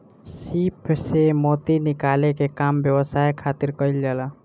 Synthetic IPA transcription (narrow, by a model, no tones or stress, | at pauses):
sipʰsemot̪inikalekekambjəwəsajkʰat̪iɾkəjld͡ʒala